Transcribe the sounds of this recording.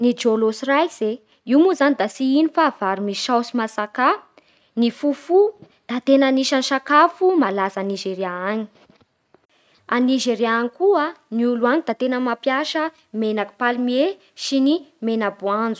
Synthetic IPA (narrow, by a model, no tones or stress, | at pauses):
nid͡ʒolosrajz̥e | iwmuzanid̪asiinifav̥aɾumiʃawsimasaka | nifufu | d̪̥at̪enaniʃaniʃakafumalazaniʒeɾiaaɲi̥ | aniʒeɾiaanikuəniuluaɲid̪at̪enəmapjaʃə | menaki̥palimie | sinimenabuand͡zu̥